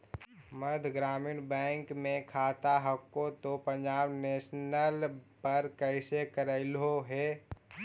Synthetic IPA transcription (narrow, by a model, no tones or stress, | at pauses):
məd̪ʱɡɾaːminbɛ̃ːŋkmẽkʰaːt̪aɦəkːot̪opə̃ɲd͡ʒaːbneːʃnəlpəɾkəɪsekəɾəɪlɦoɦeː